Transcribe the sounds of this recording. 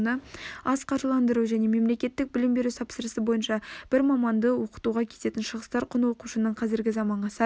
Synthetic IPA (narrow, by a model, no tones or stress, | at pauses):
nəɑzqʰɑʒəlˠɑnd̪əɾuʒæne̞me̞mle̞kʲe̞t̪ːɪk̚bɪlɪmbe̞ɾut̪ʰɑpsəɾəsəbo̞jənʃɑb̥ɪɾmɑmɑnd̪əwo̞qə̥t̪uʁɑkʲʰe̞t̪e̞t̪ɪnʃəʁəst̪ɑɾqʰʊnəwo̞quʃənəɴqʰɑzɪɾɡʲɪzɑmɑɴʁɑsɑ